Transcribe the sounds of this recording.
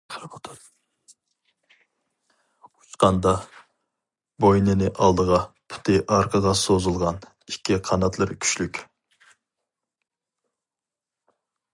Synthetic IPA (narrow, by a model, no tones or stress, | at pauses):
ɾpot̪ʰɑd̪ | ut͡ʃqɑnd̪ɑ | bojnɪnɪʔɑlˠd̪əʁɑpʰy̥t̪ʰɪʔɑɾqʰəd̪ɑsozɨlˠʁɑn | ikʲʰːiqʰɑnɑt̪lˠɨɾkʲʰy̥ʃlykʲ